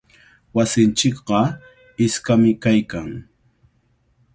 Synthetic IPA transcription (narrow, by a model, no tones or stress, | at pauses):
wasɪnt͡ʃɪkɢɑ | ɪskamɪkajkaŋ